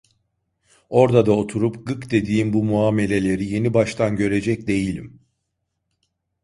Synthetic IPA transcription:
o̞ɾd̪ad̪ao̞t̪ʰuɾupɡɯkd̪e̞d̪iːmbumuaːme̞lʲe̞lʲe̞ɾije̞nibaʃt̪ʰanɟø̞ɾe̞d͡ʒɛc̚d̪e̞jilʲḭm

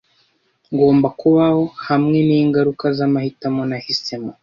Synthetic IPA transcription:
ŋɡo̞ːmbakuβaho̞hamŋe̞niːŋɡaɾukazamahitamonahisema

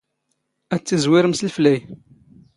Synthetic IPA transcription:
æt͡sːizwɪɾəmsəlflæj

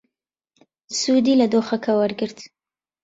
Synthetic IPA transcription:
sud̪ilad̪oxakawaɾɡəɾd̪

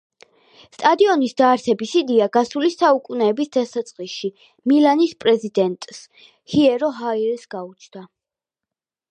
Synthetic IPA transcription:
st̪ʼad̪iɔnisd̪aːɾsɛbisid̪iaɡasulisaukʼunɛːbisd̪asat̪sʼqʼiʃi | milanispʼɾɛzid̪ɛnt̪ʼs | hiɛɾɔɦaiɾsɡaut͡ʃʰd̪̥a

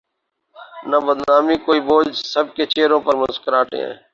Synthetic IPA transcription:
nəbəd̪nnaːmiːkoːiːboːd͡ʒsəb̚keːt͡ʃeːɾõːpəɾməzkəɾaːʈḛ̃ː

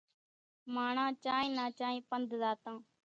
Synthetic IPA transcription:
maːɳ̃ãːt͡ʃaːĩːnãːt͡ʃãːĩːpənd̪zaːt̪ãː

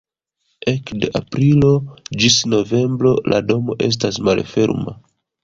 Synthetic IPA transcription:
e̞kde̞ʔapɾilo̞d͡ʒisno̞ve̞mbɾo̞lʔado̞mo̞̰ʔe̞̰s̬tasmalfe̞̰ɾma̰

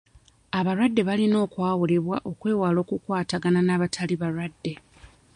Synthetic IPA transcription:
aβaɾwadːe̞βalino̞ːkwaːwule̞βwaʔo̞kwe̞ːwaːlo̞ːkukwaːtaɡananaːβatʰaliβaɾwadːe̞

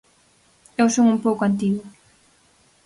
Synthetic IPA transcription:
ewsoŋumpowkoant̪̬iɣwʊ

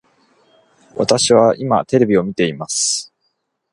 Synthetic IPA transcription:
βa̰t̪aɕiβaʔimat̪e̞ɾe̞bʲio̞mʲit̪e̞imasɨ̥

